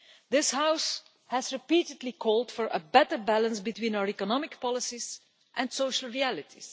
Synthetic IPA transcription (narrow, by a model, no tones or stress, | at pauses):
d̪ɪshaʊs | hæzɹɪpiːtədlikʰɔːlˠdfɔɹʔə̰bɛtə˞bælə̃nsbitwĩːnaʊəɹikɔnɑmɪkpɑlɪsiz̥ | ʔɛ̃nsoʊʃəl̩ˠɹiælɪtʰis